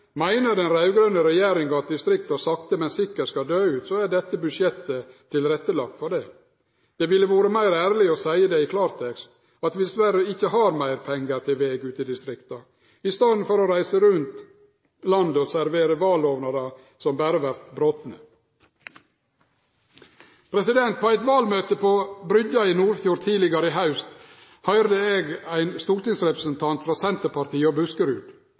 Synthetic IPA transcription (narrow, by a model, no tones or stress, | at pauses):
mæɪnəd̪ɛnɾɑʉɡɾœnəɾɛjeːɾɪŋɡɑɑt̪̚d̪ɪst̪ɾɪkt̪ɑsɑkt̪əmɛnsɪkːəskɑd̪øːʉːt̪soæɖɛt̪ːəbʉd̪ʂjɛt̪ːət̪ʰːɪlɾɛt̪ːəlɑk̚t̪fɔɖɛ | d̪̥ɛʋɪlːəʋoːɾəmæɪɾæːɾlɪɔsæɪəd̪eɪkʰlɑːɾt̪ʰɛkst̪ | ɑt̪ʋɪd̪ɛsʋæɾəɪçːəɦɑɾmæɪɾpʰɛŋɡəɾt̪ʰɪlʋeːɡʉːt̪ɪd̪ɪst̪ɾɪkt̪ɑ | ɪst̪ɑnd̪n̩fɔɾɔɾæɪsəɾʉnt̪ | lɑnd̪əosæɾʋeːɾəʋɑːloːʋnɑɾɑ | sɔmbæːɾəʋæɾt̪bɾoːt̪nə | pʰɾɛsɪd̪ɛnt̪̚pʰoːæɪt̪ʋɑːlmøːt̪əpʰoːbɾʏɟɑiːnuːɾfjuːɾt̪ʰiːlɪɡɑɾəɪɦɑʉst̪ | hœʏɾd̪əeːɡæɪnst̪uːɾt̪ɪŋsɾɛpɾəsənt̪ʰɑnt̪fɾɑːsɛnt̪əɾpɑɾt̪ʰiːəoːbʉskəɾʉːd̪